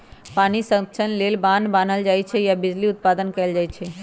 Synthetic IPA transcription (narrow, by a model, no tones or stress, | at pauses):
paːnisə̃t͡ʃʰənleːlbãːnbaːnəld͡ʒaːit͡ʃʰɛjabɪd͡ʒliʊt̪̚paːd̪ənkɐld͡ʒaːit͡ʃʰɛː